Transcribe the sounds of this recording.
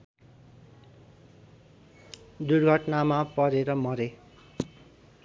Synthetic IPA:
d̪urɡʱʌʈnamapʌɾeɾʌmʌɾe

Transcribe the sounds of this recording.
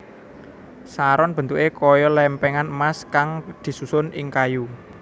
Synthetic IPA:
saɾɔnb̥ə̤nt̪uʔekɔjɔlɛmpɛŋanəmaskaŋd̪̥i̤susʊnʔɪŋkaju

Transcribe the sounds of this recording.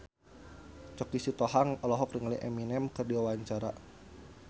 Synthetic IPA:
t͡ʃɔkisit̪ɔɦaŋɔlɔɦɔkriŋliʔɛminɛmkɨrdiwawaɲt͡ʃaɾa̰

